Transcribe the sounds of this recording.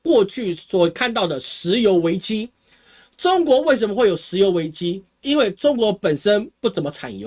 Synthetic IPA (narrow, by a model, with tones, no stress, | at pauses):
kwɔ˥˧t͡ɕʰy˥˩swɔ˨˩kʰa˥˧nt̪̬ɑ˥˩ʊd̪ə˩ʂɻ̩˧˥jo˧˥ʊwe˧˥ɪt͡ɕi˦ | ʈ͡ʂʊ˥ŋkwɔ˧˥we˥˩ɪʂ̬ə˧˦mə˧xwe˥˩ɪjo˨˩ʊʂɻ̩˧˥jo˧˥ʊwe˧˥ɪt͡ɕi˦ | i˦nwe˥˩ɪʈ͡ʂʊ˥ŋkwɔ˧˥pə˨˩nʂə˦npu˥˩t͡sə˨˩nmɐ˦t͡sʰa̰˨˩njo̰˧˦